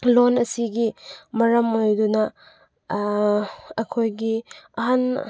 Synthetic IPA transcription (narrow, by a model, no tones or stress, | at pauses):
lonɐsiɡimɐɾɐmojdunɐ | ɐkʰojɡiɐɦan